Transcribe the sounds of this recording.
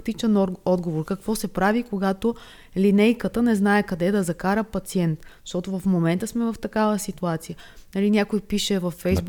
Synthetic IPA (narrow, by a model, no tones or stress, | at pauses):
kt̪it͡ʃɛnɔd̪ɡovoɾkɐkvɔsɛpɾavikoɡat̪o | linɛjkət̪ənɛznaɛkɐd̪ɛd̪ɐzɐkaɾəpɐt̪siɛnt̪ʃt̪ɔt̪ovɐfmomɛnt̪əsmɛvɐft̪ɐkavəsit̪uat̪sijənɐlinʲakojpiʃɛvɐfːɛjzb